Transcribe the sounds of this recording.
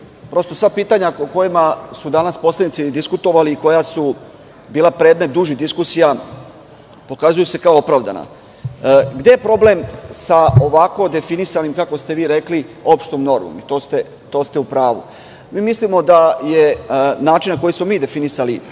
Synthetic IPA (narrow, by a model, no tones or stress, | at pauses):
pɾo̞st̪o̞sʋapiːt̪aɲaoko̞jimasud̪anaspo̞slenit̪id̪iskut̪o̞ʋaliːko̞jasu | biːlˠapɾe̞ːd̪me̞t̪̚d̪uʒid̪iskusija | po̞kazujuse̞kaoopɾaːʋd̪a̰na̰ | ɡd̪e̞jepɾo̞ble̞msao̞ʋako̞d̪e̞finisanimkako̞st̪e̞ʋiːɾe̞klio̞pʃt̪omno̞ɾmo̰mit̪o̞ːst̪e̞ | t̪o̞ːst̪e̞upɾaːʋṵ | miːmislimo̞d̪aje̞naːt͡ʃinːako̞jismo̞miːd̪e̞finisali